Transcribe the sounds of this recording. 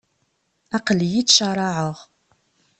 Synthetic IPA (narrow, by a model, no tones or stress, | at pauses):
aqəljit̪ʃaɾˤɑʕəʁ